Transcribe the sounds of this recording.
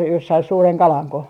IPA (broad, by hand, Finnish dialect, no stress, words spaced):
jos sɑi suːreŋ kɑlɑŋko